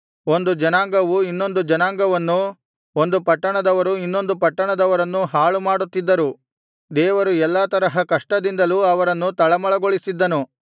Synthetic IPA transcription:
o̞nd̪ud͡ʒɐnaːŋɡɐʋuinːo̞nd̪ud͡ʒɐnaːŋɡɐʋɐnːu | ond̪upɐʈːɐɳɐd̪ɐʋɐɾuinːo̞nd̪upɐʈːɐɳɐd̪ɐʋɐɾɐnːuɦaːɭumaːɽut̪ːid̪ːɐɾu | d̪ɛːʋɐɾuɛlːaːt̪ɐɾɐɦɐkɐʂʈɐd̪ind̪ɐluɐʋɐɾɐnːut̪ɐɭɐmɐɭɐɡoɭisid̪ːɐnu

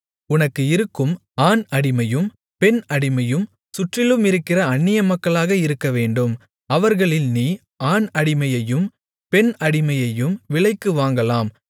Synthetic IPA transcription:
ʊnɐkːɯɪɾɯkːɯmaːnɐɽɪmɐjɯm | pɛnɐɽɪmɐjɯm | sʊʈrɪlɯmɪɾɯkːɪrɐɐnːɪjɐmɐkːɐɭaːɣɐɪɾɯkːɐʋeːɳɖɯm | ɐʋɐɾɣɐɭɪlniː | aːnɐɽɪmɐjɐjɯm | pɛnɐɽɪmɐjɐjɯmʋɪɭɐɪkːɯʋaːŋɡɐlaːm

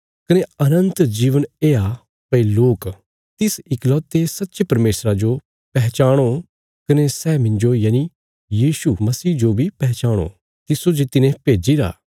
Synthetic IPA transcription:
kɐneɐnə̃nt̪d͡ʒiːʋəneːa | pɐiloːk | t̪ɪsɪklɔːt̪ːesɐtːʃepɐɾmeːsɾad͡ʒo | pɛɦt͡ʃaːɽ̃o | kɐnesɛːmɪ̃nd͡ʒojaːni | jiːʃumɐsiːd͡ʒobʱipɛɦt͡ʃaːɽ̃o̰ | t̪ɪsod͡ʒet̪ɪnẽpeːd͡ʒiɾa̰ː

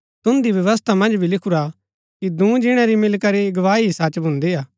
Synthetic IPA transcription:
t̪ʊ̃nd̪ibjɐʋəst̪ʰamɐ̃nd͡ʒbʱilɪkʰuɾa | kid̪ũːd͡ʒɪɽ̃aɾimɪlkɐɾiɡɐʋaːiisat͡ʃbʱʊ̃nd̪iaː

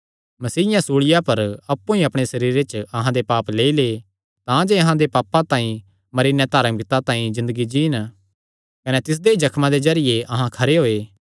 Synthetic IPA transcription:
mɐsiːɪjãsuːɭɪjapɐɾɐpːũĩɐpɽ̃esɐɾiːɾet͡ʃɐɦãd̪epaːpleːile | t̪ãd͡ʒeɐɦãd̪epaːpːãt̪ãːĩ | mɐɾiːnẽt̪aːɾmɪkt̪at̪ãːĩzɪ̃nd̪əɡid͡ʒiːn | kɐnet̪ɪs̬d̪eid͡ʒɐkʰmãd̪ezɐɾɪjeʔɐɦãkʰɐɾeɦoːeː

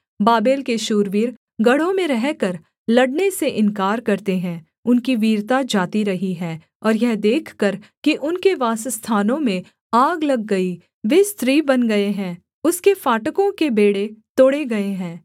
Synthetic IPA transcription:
baːbeːlkeʃuːɾʋiːɾ | ɡɐɽ̤õmẽɾɛɦkɐɾ | lɐɖneseʔɪ̃nkaːɾkɐɾt̪eɦɛ̃ː | ʊnkiʋiːɾt̪ad͡ʒaːt̪iɾɐɦiɦɛː | ɔːɾjɛɦd̪eːkʰkɐɾkiʔʊnkeʋaːsst̪ʰaːnõmẽ | aːɡlɐɡːɐi | ʋeːst̪ɾiːbɐnɡɐeɦɛ̃ː | ʊskefaːʈəkõkebeːɽet̪oːɽeɡɐeɦɛ̃ː

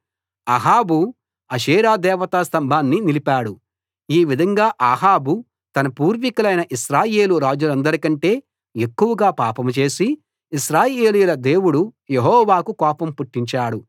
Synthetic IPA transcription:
ɐɦaːbu | ɐʃiːɾaːd̪ɛːʋɐt̪ast̪ɐmbʱaːnːinilipaːɽu | iːʋid̪ʱɐŋɡaːʔaːɦaːbu | t̪ɐnɐpuːɾʋikɐlɐjnɐʔiʃɾaːje̞ːluɾaːd͡ʒulɐnd̪ɐɾikɐɳʈe̞ː | ekːuwɐɡaːpaːpɐmut͡ʃe̞ːsiː | ʃɾaːjeːlijulɐd̪e̞ːwuɽujeɦɔːʋaːkukɔːpɐmpuʈːiɲt͡ʃaːɽu

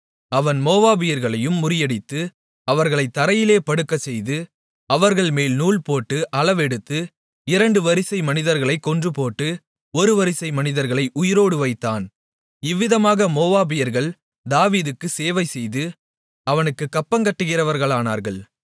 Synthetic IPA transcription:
ɐʋɐnmoːʋaːbɪjɐɾɣɐɭɐjɯmːʊɾɪjɐɽɪt̪ːɯ | ɐʋɐɾɣɐɭɐɪt̪ːɐɾɐjɪleːpɐɽɯkːɐt͡ʃɛjðɯ | ɐʋɐɾɣɐɭmeːlnuːɭpoːʈːɯʔɐlɐʋɛɽɯt̪ːɯ | ɪɾɐɳɖɯʋɐɾɪsɐɪmɐnɪðɐɾɣɐɭɐɪkːɔndrɯpoːʈːɯ | ɔɾɯʋɐɾɪsɐɪmɐnɪðɐɾɣɐɭɐɪʔʊjɪɾoːɽɯʋɐɪt̪ːaːn | ɪʋːɪðɐmaːɣɐmoːʋaːbɪjɐɾɣɐɭ | d̪aːʋiːðɯkːɯseːʋɐɪsɛjðɯ | ɐʋɐnɯkːɯkːɐpːɐŋkɐʈːɯɣɪrɐʋɐɾɣɐɭaːna̰ːɾɣɐɭ

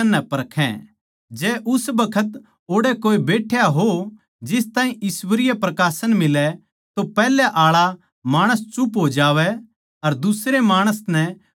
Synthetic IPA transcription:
ɐnːɛpɐɾkʰɛ̰̃ | d͡ʒɛːʔʊsbɐkʰət̪ | oːɽɛkoːebeːʈʰjaɦo | d͡ʒɪst̪ãːĩʔɪswəɾɪjapɾɐkaːsəñmɪlɛ | t̪opɛːlɛʔaːɭa | maːɽ̃əst͡ʃʊpɦod͡ʒaːʋɛ | ɐɾd̪ʊsɾemaːɽ̃əsnɛ

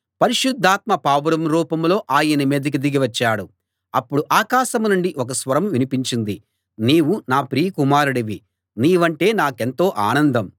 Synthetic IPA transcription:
pɐɾiʃud̪ʱːaːt̪̚mɐpaːʋɐɾɐmɾuːpɐmlo̞ːʔaːjɐnɐmeːd̪ɐk̬id̪iɡiʋɐt͡ʃːaːɽu | ɐpːuɽuʔaːkaːʃɐmnuɳɖiʔɔk̬ɐsʋɐɾɐmʋinipiɲt͡ʃind̪i | niːwunaːpɾiːkumaːɾuɽɐʋi | niːʋɐɳʈe̞ːnaːke̞nt̪o̞ːʔaːnɐnd̪ɐm

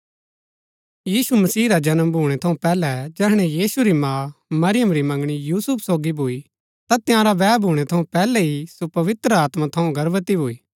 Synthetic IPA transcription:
jiːsumɐsiːɾad͡ʒɐnəmbʱuːɽ̃ɛt̪ʰɐũpɛːlɛd͡ʒɛːɦɽ̃ɛjiːsuɾimãːmɐɾɪjəmɾimɐ̃ŋɡɽ̃ijuːsʊpʰsoːɡibʱoːi | t̪at̪ɪjãːɾaʋɛːbʱuːɽ̃ɛt̪ʰɐũpɛːlɛɦisopɐʋɪt̪ɾəaːt̪mat̪ʰɐũɡɐɾʋət̪ibʱoːiː

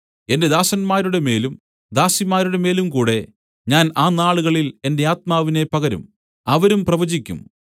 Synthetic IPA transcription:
e̞nde̞d̪aːsɐnmaːɾuɽe̞me̞ːlum | d̪aːsimaːɾuɽe̞me̞ːlumkuːɽe̞ | ɲaːnaːnaːɭuɣɐɭile̞nde̞aːt̪̚maːʋine̞pɐɣɐɾṵm | ɐʋɐɾumprɐʋɐd͡ʑikʲːṵm

